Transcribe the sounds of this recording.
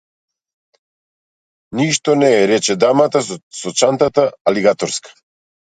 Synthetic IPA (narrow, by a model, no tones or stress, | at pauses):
niʃt̪ɔnɛːɾɛt͡ʃɛd̪amat̪asɔt͡ʃant̪at̪aaliɡat̪ɔɾskḁ